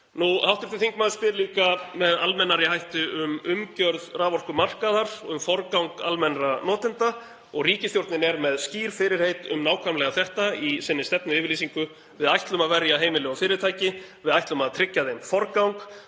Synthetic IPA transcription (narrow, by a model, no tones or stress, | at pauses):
nuhawht̪ɪfθɪθiŋkmaːðɪspɪɾliːkamɛðalmɛnːaɾɪɦajht̪ʏʏmʏmcœɾðraːvɔr̥kʏmar̥kaðaɾɔʏmfɔɾkawŋka̰lmɛnranɔːt̪ɪnt̪a | ɔɣriːcɪst̪jowɾ̥t̪nɪnɛɾmɛðsciːɾ̥fɪɾɪɾ̥hejt̪ʏ̰mnaːwkʰamlɛɣaθɛht̪aisɪnːɪst̪ɛpnʏɪːvɪɾliːsiŋkʏ | vɪðajht̪lʏmaðvɛɾjaɦeːjmɪlɪawfɪːɾɪɾt̪ʰaːjcɪvɪðajht̪lʏmaðt̪ʰɾɪcːaðejmfɔɾkawŋk